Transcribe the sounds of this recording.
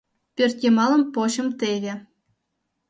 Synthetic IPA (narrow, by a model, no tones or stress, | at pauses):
pʲørt̪ʲjemɑlɤ̆mpoɕɤ̆mt̪eɣʲĕ